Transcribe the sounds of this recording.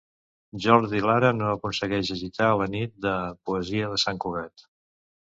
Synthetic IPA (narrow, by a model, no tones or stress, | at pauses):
ʒɔɾðilaɾənoəkunsəɣɛʃəʒit̪alənit̪̚d̪əpuəziəðəsaŋkuɣɛt̪